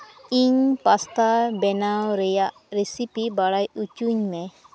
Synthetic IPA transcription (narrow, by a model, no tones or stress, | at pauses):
iɲpast̪abɛnawɾɛjaʔ | ɾesipibaɽajut͡ʃuɲmɛ